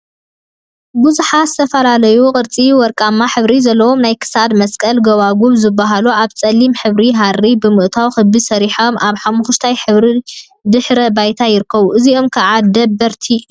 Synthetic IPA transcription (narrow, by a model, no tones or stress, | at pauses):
buzuħazɨt̪ʰɐfɐlalɐjukʼɨɾt͡sʼiwɔɾkʼamːaħɨβɾizɐlːɐwo̞mnajkʰɨ̥sad̪mɐskʼɐlɡɐβaɡuβzɨbːaɦaluʔaβt͡sʼɐlːimħɨβɾiɦarːibɨmɨʔt̪ʰawxɨbːisɐɾiħomʔaβħamuxuʃt̪ʰajħɨβɾi | d̪ɨħɾɐbajt̪ʰajɪɾɨkʰːɐβuʔɨzio̞mkʰaʕad̪ɐbːɐɾt̪ʰi